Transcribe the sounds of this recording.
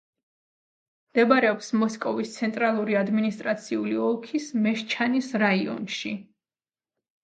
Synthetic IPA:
md̪̥ɛbaɾɛɔpsmɔskʼɔvist̪sʰɛnt̪ʼɾalˠuɾiad̪minist̪ʼɾat̪sʰiuliɔlˠkʰismɛʃt͡ʃʰanisɾaiɔ̰nʃi

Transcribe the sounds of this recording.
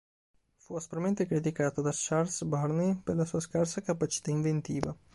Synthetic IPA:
fuast̪ɾament̪ekɾit̪̬ikaːt̪od̪aʃarlsbarneperlasuːaskarsakapat͡ʃi̥t̪aiɱvent̪iːva

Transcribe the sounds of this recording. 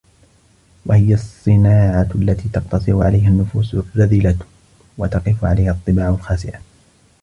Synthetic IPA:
wahɪjasˤːɨnaːʕaʔlːat̪iːt̪ɑqt̪ɑsˤɨɾʊʕa̰lajɦanːʊfuːsʊaðiːla | wat̪ɑqɪfʊʕalajhaʔɑt̪ˤːɨbaːʕalxaːsɪʔa

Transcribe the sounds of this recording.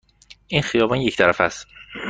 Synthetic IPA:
ʔinxijɒːbɒnje̞cʰt̪ʰæɾæfæst̪

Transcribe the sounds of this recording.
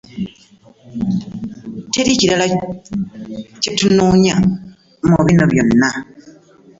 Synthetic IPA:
te̞ɾiciɾala | cetunoːɲa | muβinoβjo̞nːa

